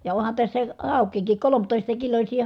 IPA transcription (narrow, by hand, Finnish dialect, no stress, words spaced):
jɑ ohɑn tæsːæ hɑˑukˑiːkik kolomtoˑistɑ kilosʲiː